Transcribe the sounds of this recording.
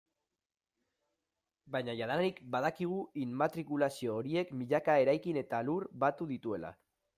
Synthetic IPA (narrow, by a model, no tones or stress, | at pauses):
bajɲaʝaðanaɾikbaðakiɣ̞uinmat̪ɾikulasio̞ːɾie̞kmiʎakae̞ɾajkine̞t̪aluɾbat̪uðit̪ue̞la̰